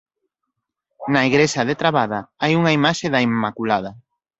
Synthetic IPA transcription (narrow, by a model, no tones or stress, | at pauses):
nɐiɣɾesɐðet̪ɾaβaðɐajuŋaimaʃeðɐimːakulað̞ɐ